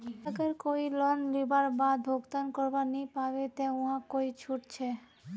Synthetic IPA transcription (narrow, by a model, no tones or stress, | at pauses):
t̪akeɾkoilɔnlibaɾbad̪bʱoɡt̪ankɔɾbanipabet̪ɛũɦakoit͡ɕʰuʈt͡ɕʰe